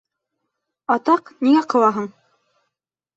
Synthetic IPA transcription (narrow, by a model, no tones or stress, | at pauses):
ɑt̪ɑqniŋæqɤ̆w̪ˠɑɦɤɴ